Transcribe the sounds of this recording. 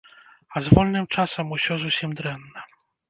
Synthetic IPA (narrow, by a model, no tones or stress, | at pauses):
azvɔlʲnɨmt͡ʂasɛmuɕʲɔzusʲimd̪ɾɛnːɛ